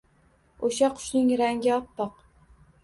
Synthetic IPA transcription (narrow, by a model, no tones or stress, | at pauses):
oʃaqʰʊ̥ʃnɪŋɾaŋɡʲɪɒp̪ːɒq̚